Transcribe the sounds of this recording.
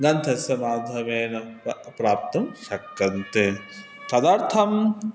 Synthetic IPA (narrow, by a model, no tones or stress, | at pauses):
ɡɐnt̪ʰɐsɐmaːd̪ʱɐmeːnɐpɾaːp̚t̪ɐmʃɐkːɐnt̪e | k̪ɐd̪aɾt̪ʰɐm